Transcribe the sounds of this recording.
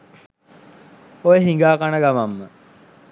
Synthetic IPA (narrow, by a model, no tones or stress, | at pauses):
ojəɦiŋɡaːkanəɡamamːə